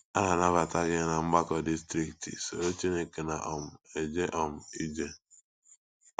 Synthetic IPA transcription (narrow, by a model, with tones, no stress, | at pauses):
a˦na˨na˦βa˨ta˦ɡɪ˦na˨ŋ͡m̩˦ɡ͡ba˦kɔ˨di˦stɾi˦ktḭ˨so˨ɾo˦t͡ʃi˦ne˨ke˨na˨ʔɔ˨m̩˨e˨d͡ʒe˦ʔɔ˨m̩˨i˦d͡ʒe˦